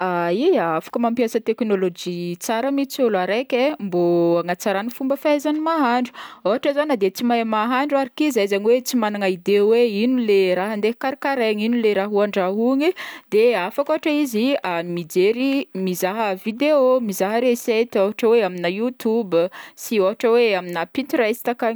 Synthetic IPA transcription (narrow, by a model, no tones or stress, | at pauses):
aiafḁkəmampijasət̪eknolod͡ʒit͡saɾəmit͡siolaɾekʲemboaŋat͡saɾanifumbəfaezanimaɦaɳɖ͡ʐuoɦaʈ͡ʂəzanəd̪et͡simajmaɦaɳɖ͡ʐuaɾikizajzaniwet͡simanaŋaid̪eweinileɾaɦənd̪eɦi̥kaɾikaɾeŋinileɾaɦuaɳɖ͡ʐaɦuŋid̪eafakoɦaʈ͡ʂəiziamid͡zeɾimizaɦəvid̪eomizaɦəɾeset̪ioɦaʈ͡ʂəweaminajut̪ubsioɦaʈ͡ʂəweaminapint̪uɾast̪akaŋ